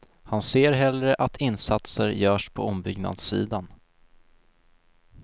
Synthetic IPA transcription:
hanseːɾɦɛlɾəʔat̪ʰɪnːsat̪səɾjœːʂpʰɔɔmbʏɡna̰d̪sḭːd̪an

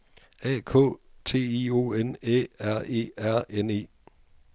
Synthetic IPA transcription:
ɛ̰ːkʰɔ̰̽ːt͡sʰe̝̰ːiːo̝̰ːeneæɐ̰e̝̰ːæɐ̰ene̝̰ː

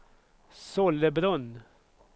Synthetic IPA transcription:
sɔləbɾɔn

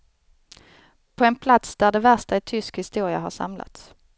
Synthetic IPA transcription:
pʰɔɛnpʰlat̪sd̪æɖɛvæʂʈaɪt̪ʰʏskhɪst̪uːɾɪaɦaɾʂa̰mla̰t̪s

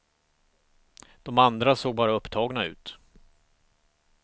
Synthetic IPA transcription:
d̪̥ɔmand̪ɾasoːɡ̚bɑːɾaɵpːt̪ʰɑːɡnaʉ̟̰ːt̪

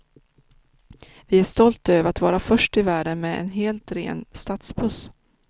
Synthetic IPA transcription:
vɪæʂt̪ɔlt̪øːvəɾat̪vɑːɾafœʂʈɪvæːɖənmɛɛ̰nɦeːlt̪ɾḛːnst̪at̪spʰɵs

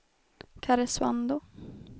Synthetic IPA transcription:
kʰaɾɛswa̰nd̪ʊ

